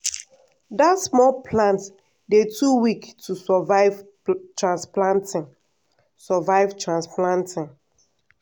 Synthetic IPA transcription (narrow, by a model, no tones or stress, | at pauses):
dasmɔlpʰlãnt | detʰuwiktʰusɔvav | tɹãnsplãntĩ | sɔvaɪvtɹãnsplãntĩn